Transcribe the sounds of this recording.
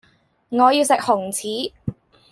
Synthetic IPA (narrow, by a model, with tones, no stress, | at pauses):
ŋɔː˨˧jiː˧wsɪ˨k̚hʊ˨˩ŋt͡sʰiː˨˥